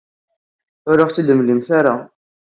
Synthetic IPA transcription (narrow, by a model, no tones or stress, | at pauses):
ʊɾəʁsid̪əmləmθaɾa